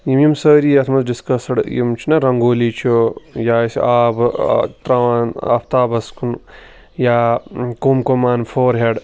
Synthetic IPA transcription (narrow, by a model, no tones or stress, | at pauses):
jimjimsəːɾiːɐt̪ʰmɐzɖiskɐsɐɽjḭmt͡ʃʰinɐɾɐŋɡoːlit͡ʃʰojaːsaːbt̪ɾɐʋaːna̰ːpʰt̪aːbɐskʰun | jaːkumkomaːnfʰoːɾɦeɖ